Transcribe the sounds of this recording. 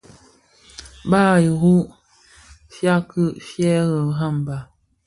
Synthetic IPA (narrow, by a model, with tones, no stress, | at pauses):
baː˦˨ji˨ɣu˦ | fja˦kɯ˦ʔfjɛ˦ɣə˨ɦa˦˨m˨ba˨